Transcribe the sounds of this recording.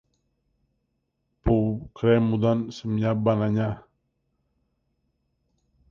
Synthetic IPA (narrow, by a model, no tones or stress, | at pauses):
pukɾɛmud̪ansəmɲabanaɲa